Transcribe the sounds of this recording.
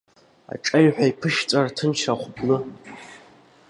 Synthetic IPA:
a̰ʈ͡ʂʼajħʷᶣaipʰɨʃt͡sʼartʰɨnʃaχʷbʰʼnɨ

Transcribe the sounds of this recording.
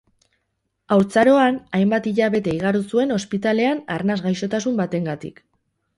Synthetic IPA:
awɾt͡saɾo̞anajmbat̪iʎaβe̞t̪e̞iɣ̞aɾusue̞no̞spit̪ale̞ana̰ɾnazɣajʃo̞t̪asumbat̪e̞ŋɡat̪ḭk

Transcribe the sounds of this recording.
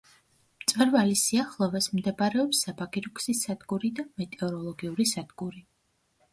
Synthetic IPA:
mt̪sʼvwɛɾvalisiaχlˠɔvɛsmd̪ɛbaɾɛɔpsːabaɡʼiɾukʰʼsisad̪ɡuɾid̪amɛt̪ʼɛɔɾɔlˠɔɡiuɾisad̪ɡuɾi

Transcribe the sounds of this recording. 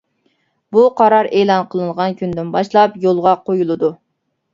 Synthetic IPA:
buqʰɑɾɑɾeːlˠɑnqʰəlˠɨnʁɑnkʲynd̪ɪnbɑʃlˠɑpjolˠʁɑqojulˠɨd̪u

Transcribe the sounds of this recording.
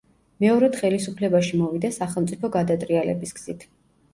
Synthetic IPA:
mɛɔɾɛd̪̥χɛlisupʰlɛbaʃimɔvid̪asaχɛlˠmt̪sʼipʰɔɡad̪at̪ʼɾialɛ̰bisɡz̥it̪ʰ

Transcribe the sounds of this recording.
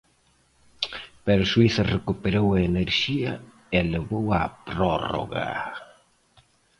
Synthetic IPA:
pɛɾoswiθɐrekupeɾowɐeneɾʃiɐ | eleβowapɾoro̰ɣa̰

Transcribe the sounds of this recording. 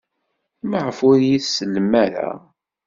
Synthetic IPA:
məʕəfʊɾjiθsəlːmæɾæ̰

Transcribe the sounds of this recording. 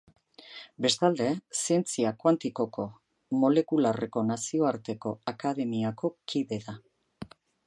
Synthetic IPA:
be̞st̪ald̪e̞sie̞nt͡siakwant̪iko̞ko̞ | mo̞le̞kulare̞ko̞nasio̞aɾt̪e̞ko̞akaðe̞miako̞kʰiβe̞ða

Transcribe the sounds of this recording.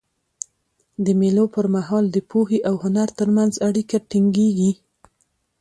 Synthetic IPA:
d̪əmelopəɾmaɦɑld̪əpʰoheʔawhʊnaɾt̪əɾmanzaɽikaʈiŋɡeɡi

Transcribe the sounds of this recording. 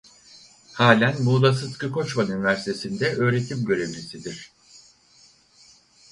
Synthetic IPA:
haːlʲænmuːlˠas̬ɯskɯkʰo̞t͡ʃmanynivæɾsi̥t̪ʰe̞sind̪ɛʔø̞ːɾe̞t̪ʰimɟø̞ɾe̞vd͡ʒisid̪iɾ̥

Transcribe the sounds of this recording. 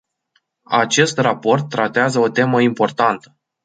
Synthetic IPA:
at͡ʃe̞st̪rapo̞rt̪ːɾat̪eazəo̞t̪e̞məimpo̞rt̪ant̪ə̥

